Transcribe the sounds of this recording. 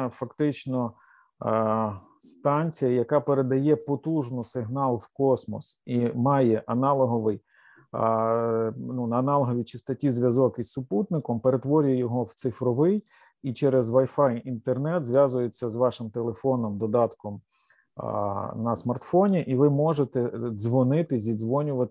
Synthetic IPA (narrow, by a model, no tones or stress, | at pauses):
fɐkt̪ɪt͡ʃnɔ | st̪ɑnʲt͡sʲijɐjɐkɑpeɾed̪ɐjɛpɔt̪uʒnʊsɪɦnɑlˠwkɔsmɔ̰simɑjɛʔɐnɑlˠɔɦɔʋɪj | nunɐːnɑlˠɦɔʋʲit͡ʃɪst̪ɔtʲizʲʋʲjɐzɔkisːʊput̪̚nɪkɔmpeɾet̪ʋɔɾʲʊjɐjɔɦɔwt̪sɪfɾɔʋɪj | it͡ʃɛɾɛzʋɐjfɑjint̪ernɛt̪zʲʋʲjɑzʊjet͡sʲːɐzʋɑʃɪmt̪elˠefɔnɔmd̪ɔd̪ɑt̪kɔm | nɐsmɐrt̪fɔnʲiʔiʋɪmɔʒet̪ɛzʋɔnɪt̪ɪzʲid̪zʋɔnʲʊʋɐt̪